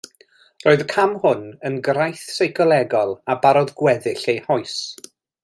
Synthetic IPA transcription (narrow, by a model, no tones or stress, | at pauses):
roːɨðkʰamhʊnənɡrajθsejkɔlˠɛɡɔlˠabaɾɔðɡwɛðɪɬejhɔɨs